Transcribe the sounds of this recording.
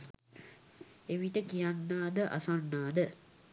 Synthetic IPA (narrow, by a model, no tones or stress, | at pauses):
eʋiʈəkijanːaːd̪əʔa̰sanːaːd̪ə